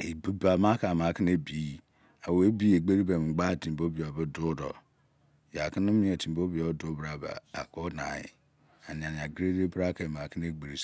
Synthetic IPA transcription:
e˨bi˦ba˨ma˦ka˨ma˨ki˦ne˦bi˦ | a˨we˦bi˦e˨ɡ͡be˦ɾi˦be˨m̩˨ɡ͡ba˦˨ti˨bo˦bi˨o˨bɨ˦dʊ˦dɔ˨ | ja˨ki˦n˦mi˦e˨tʰi˨mbo˦bi˨o˨bdo˦bɾa˨ba̰˨a̰˨ko˦na˨jḭ˨ | a˨ni˨a˨ni˨a˨ɡɾe˦de˦bɾa˦ke˨ma˨ki˦n˦e˦ɡ͡be˨ɾi˨s

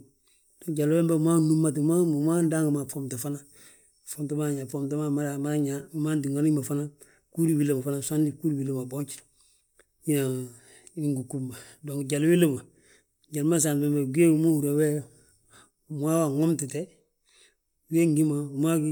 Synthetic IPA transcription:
d̥o˨ŋɟa˨lwe˦mba˦ma˦nu˦mːa˦tma˦˨ma˦nda˦ŋɡma˨fo˦mta˨fa˦na˦ | fo˦mta˦ma˦ɲa˨fo˦mta˦ma˦ma˦ɾa˨ma˦ɲa˨˦ma˦nti˨ŋa˦ni˦ma˨fa˦na˦ | ku˦ɾi˦wi˦le˦˨ma˨fa˦na˨sa˦ndi˦ku˦ɾi˨wi˦le˦ma˨bo˦ɲt͡ʃi̥˨ | ji˦na˨ | i˦ŋɡu˨ku˦mːa˨do˨ŋɟa˨lwi˦lə˦ma˨ | ɟa˨lma˦s̬aː˨nbe˦mba˨ɡi˦e˦mo˦hu˨ɾa˨we˦ | m˦a˦wa˨ŋo˦mti˨te˦ | ɡeː˦ŋɡi˦ma˨ma˦ɡi

